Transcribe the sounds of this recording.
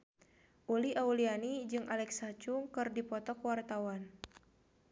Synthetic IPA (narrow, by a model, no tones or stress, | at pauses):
ʔuliʔaulianid͡ʒɨŋʔalɛksat͡ʃuŋkɨrdipɔt̪ɔkwart̪awan